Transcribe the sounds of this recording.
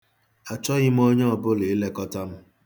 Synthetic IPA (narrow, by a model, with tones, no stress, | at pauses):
a˨t͡ʃɔ˦ɣɪ˦m˦o˦ɲe˦ɔ˨bʊ˦le˨˦le˦kɔ˦ta˦m̩˦